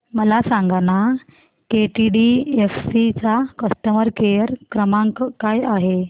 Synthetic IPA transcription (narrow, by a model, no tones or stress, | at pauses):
məlasãŋɡana | keʈiɖiefsit͡sakəst̪əməɾkejəɾkɾəmãŋkkajaɦe